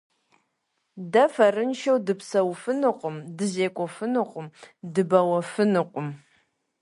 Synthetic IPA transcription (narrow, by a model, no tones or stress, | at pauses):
dɐfɐrɨnʃɐwdɨpsɐwfɨnɨqʷʼʊmdɨzeːkʷʼɔfɨnɨqʷʼʊmdɨbɐwɐfɨnɨqʷʼʊm